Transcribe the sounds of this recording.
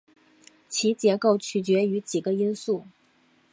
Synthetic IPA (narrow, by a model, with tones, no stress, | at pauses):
t͡ɕʰi˧˥t͡ɕjɛ˧˥ko˥˩ʊt͡ɕʰy˨˩t͡ɕɥɛ˧˥y˧˥t͡ɕi˨˩ɡə˦i˥nsu˥˩